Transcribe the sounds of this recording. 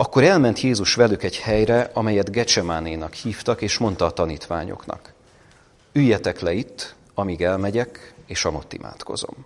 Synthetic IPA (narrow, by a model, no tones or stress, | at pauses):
ɒkːo̞ɾɛlmɛnt̪jeːzuʃʋɛlykɛɟhɛjɾɛʔɒmɛjɛd̪ɡɛt͡ʃɛmaːneːnɒkhiːft̪ɒkeːʃmo̞n̪t̪ɒːt̪ɒniːt̪ʋa̰ːɲo̞̰knɒ̰k | yjːɛt̪ɛklɛit̪ː | ɒmiːɡɛlmɛɟɛkeːʃɒmot̪ːḭmʔa̰ːt̪ko̞̰zo̞̰m